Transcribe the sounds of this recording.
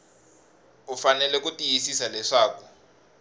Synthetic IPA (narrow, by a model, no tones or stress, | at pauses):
ufanɛlɛkutijisisalɛʂaːku